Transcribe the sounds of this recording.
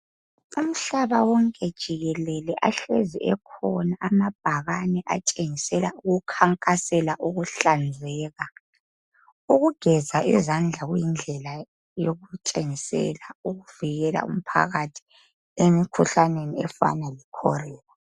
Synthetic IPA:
um̩ɬaβawɔŋkʼɛd̥ʒ̥ʱiɣɛlɛlɛʔaɬeziʔɛkʰɔnaʔamab̥ʱaɣanɛʔat͡ʃʼeŋisɛlauɣukʰaŋkʼasɛlaʔuɣuɬand͡zʱɛːɣa | uɣuɡ̥ʱɛzaʔizand͡ɮʱaɣujind͡ɮʱɛla | joɣut͡ʃʼeŋisɛ̰lauɣuviɣɛla̰ṵm̩pʰa̰ɣatʰi̥ | emikʰuɬaneniɛfa̰nalikʰɔ̰rɛːla

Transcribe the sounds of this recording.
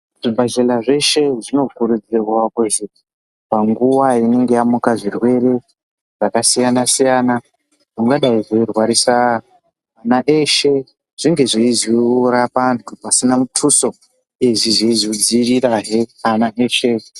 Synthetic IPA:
ʐibʱaʃelaʐe̞ʃe̞ʐino̞kuɾud͡zirwakuʒe | paŋɡuwaine̞ŋɡe̞jamukaʐirwe̞ɾe̞ | ʐ̥akasijanasijaːna | ʐuŋɡaɗaiʐoirwaɾisa | anaʔeʃe̞ | ʐ̥iŋɡe̞ʐiiziɾapantʰupasinamutʰuso̞ | eʐiʐiizid͡ziriɾaɦeanaʔeːʃe

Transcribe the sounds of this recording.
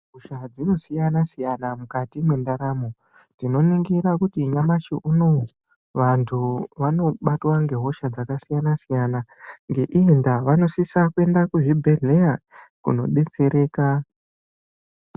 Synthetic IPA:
ɦoʃad͡zino̞sijanasijanamukatimwe̞ndaɾamo̞ | tino̞niŋɡiɾakutiɲamaʃḭʔuno | ʋantʰuʋano̞ɓatwaŋɡe̞ɦo̞ʃad͡zakasijanasijanaŋɡe̞ʔiindaʋano̞sisakue̞ndakuʐibʱe̞ɮe̞jakṵno̞̰ɓe̞t͡se̞ɾe̞ːka

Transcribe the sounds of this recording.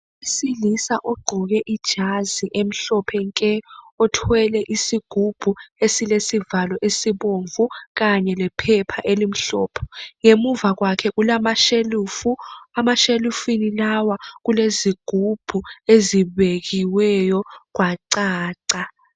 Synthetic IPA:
isilisaʔɔɡ͡ǃʱɔɣ̬ɛʔid̥ʒ̥ʱaziʔem̩ɬɔpʰɛŋkʼɛɔtʰwɛlɛʔisiɡ̥ʱub̥ʱuesilesivalɔʔesiɓoɱvuk̬aɲɛlɛpʰɛpʰaʔelim̩ɬɔːpʰɔ̥ŋemuvak̬wakʰɛk̬ulamaʃeluːfuamaʃelufinilawak̬uleziɡ̥ʱub̥ʱueziɓek̬iwɛjɔk̬waǀaːǀa

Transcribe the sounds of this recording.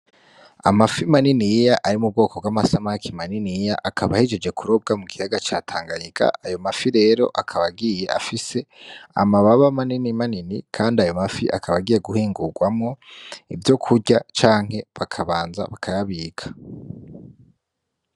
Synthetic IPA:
a̰mafimaninijaʔaɾimub̚ɡo̞ːko̞bɡwamasamakʰimaninijaʔakʰaβahid͡ʒed͡ʒe̞kʰuɾo̞b̚ɡamuɡihaɡat͡ʃaːtʰaːŋɡaɲiɡa̰ajo̞mafiɾe̞ːɾo̞̰ʔakʰaβaɡije̞ʔa̰fise̞a̰maβaβamaninimaninikʰaːndiajo̞mafiʔa̰kʰaβaɡije̞ɡuhiːŋɡuɡwamŋo̞ivjo̞kʰuɟat͡ʃaːŋ̥he̞βakʰaβaːnza̰βakʰajaβiːkʰḁ

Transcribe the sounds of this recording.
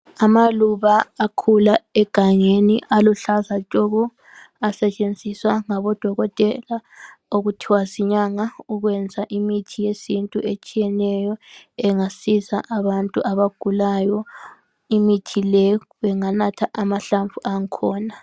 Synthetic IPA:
amaluβaːkʰulaɛɡ̥ʱaŋeniʔaluɬazat͡ʃʼɔɣɔ | asɛt͡ʃʼend͡zʱiswaŋaβɔd̥ʱɔɣɔtʼɛlaoɣutʰiwasiɲaŋauɣwɛnd͡zʱaʔimitʰijesintʼuʔet͡ʃʼijɛnɛjɔɛŋasisa̰ʔaβantʼuʔaβaɡ̥ʱulajɔ | imitʰilɛ | βɛŋanatʰaʔamaɬaɱvuʔaŋkʰɔːna

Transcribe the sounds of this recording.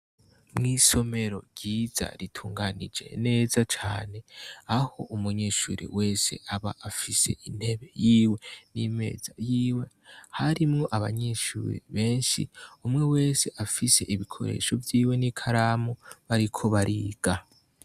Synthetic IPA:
mŋiːso̞me̞ɾo̞̰ɡ̥iːz̥a̰ɾitʰuːŋɡanid͡ʒe̞̰ne̞ːzat͡ʃaːne̞aho̞ʔumuɲeːʃuɾḭwe̞ːse̞̰aβa̰ʔafise̞̰ʔin̥he̞βe̞jiːwe̞nime̞̰ːz̥ajiːwe̞ | haɾimŋo̞ʔaβa̰ɲeːʃṵːɾḭβe̞ːnʃḭumŋe̞we̞ːse̞ʔafise̞ʔiβikʰo̞̰ɾe̞̰ːʃo̞vjiːwe̞nikʰaɾaːmuβaɾikʰo̞βaɾʔiːɡ̥a

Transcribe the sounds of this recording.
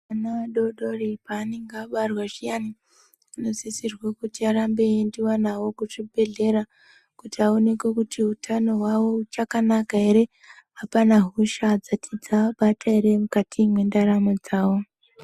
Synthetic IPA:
anaaɗoɗo̞ripaːne̞ŋɡeaɓarwaʐijani | ano̞zisirwakutiaɾambe̞ndiwanawo̞kuʐibʱe̞ɮe̞ɾa | kutiao̞ne̞kwekutiutʰano̞ɦwawo̞ut͡ʃakanakaɦe̞ɾe̞ | apanaɦuʃad͡zatʰid͡zaɓatʰaeɾe̞mukatʰimwe̞ndaɾamod͡zaːwo̞

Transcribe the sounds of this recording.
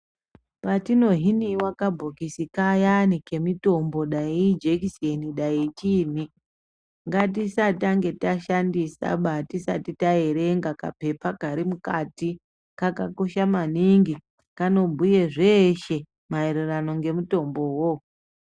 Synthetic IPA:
patino̞ɦiniwakabʱokisikajanike̞mito̞mbo̞ɗaid͡ʒekiseniɗait͡ʃiːn̤i | ŋɡatisataŋɡe̞taʃandisa̰ɓatisatitaeɾe̞ŋɡaka̰pe̞pakaɾimukati | kakako̞ʃamaniŋɡi | kano̞bʱujeʐeʃe̞ | maeɾerano̞ŋɡe̞muto̞mbo̞wo

